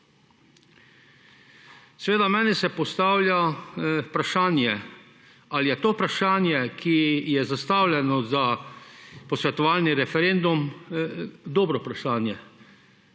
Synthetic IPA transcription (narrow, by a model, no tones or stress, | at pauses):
sɛʋeːd̪amɛːnisɛpɔst̪aːwlja | pɾaʃaːnjɛ | alijɛt̪oːpɾaʃaːnjɛkʰijɛzast̪aːwlʲɛnɔza | pɔsʋɛt̪ɔʋaːlniɾɛfɛɾend̪um | d̪oːbɾɔpɾaʃaːnjɛ